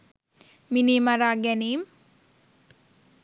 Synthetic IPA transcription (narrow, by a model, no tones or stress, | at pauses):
miniːmaɾaːɡɛniːm